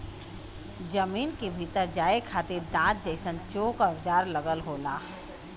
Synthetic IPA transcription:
d͡ʒəmiːnkebʱit̪əɾd͡ʒaːekʰaːt̪eɾd̪ãːt̪̚d͡ʒəɪsənt͡ʃoːkəʋd͡ʒaːɾləɡəlɦoːla̰ː

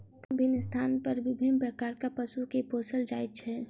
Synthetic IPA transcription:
bʱɪnst̪ʰaːnpəɾʋɪbʱɪnpɾəkaːɾkapəsukepoːsəld͡ʒaːjt̪̚t͡ʃʰɛː

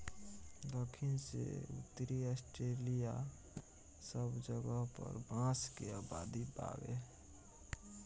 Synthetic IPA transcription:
d̪oːkʰinsḛṵt̪ːɾiɔsʈɾelija | səbd͡ʒəɡəɦpə̰ɾbãskeaːbad̪ipa̰wḛ

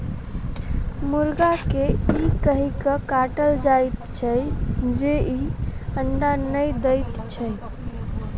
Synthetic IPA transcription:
muɾɡakeikəɦikəkaʈəld͡ʒajt̪t͡ʃʰəd͡ʒeiəɳɖanəjd̪əjt̪t͡ʃʰəj

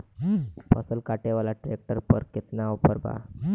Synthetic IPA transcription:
pə̰səlkaʈeʋalaʈɾek̚ʈəɾpəɾket̪naʋwpəɾba̰

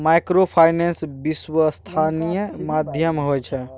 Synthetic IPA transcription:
majkɾopʰajnensbiswəst̪ʰanijəmad̪ʱjəmɦojt͡ʃʰə

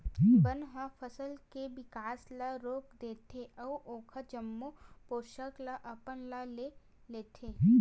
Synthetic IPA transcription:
bənɦãfʰəsəlkeʋɪkaːslaɾoːkd̪eːt̪ʰeʔɔːʔoːkʰad͡ʒəmːupoːʃəklaʔɐpənlale | leːt̪ʰeː

